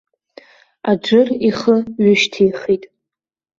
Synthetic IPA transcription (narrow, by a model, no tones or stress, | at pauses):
ad͡ʒʷɨriχəɥʊʃtʰijχitʼ